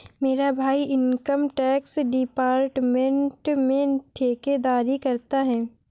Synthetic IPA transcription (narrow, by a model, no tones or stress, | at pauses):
meːɾabʱaːiɪnkəmʈɛːksɖɪpaːɾʈmẽɳʈmẽʈʰeːked̪aːɾikɐɾt̪aɦɛː